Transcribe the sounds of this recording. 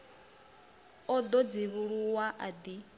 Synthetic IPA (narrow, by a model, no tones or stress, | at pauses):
ɔd̪ɔd͡ziβuɺuwaʔad̪i